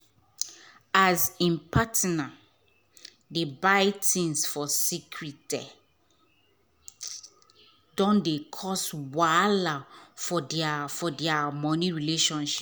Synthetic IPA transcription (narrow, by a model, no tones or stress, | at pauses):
azĩmpʰatna | debaɪtĩnsfɔsikʰɹitɛ | dɔ̃ndekʰɔswalafɔafɔdiamɔ̃niɹileʃɔ̃nʃi̥p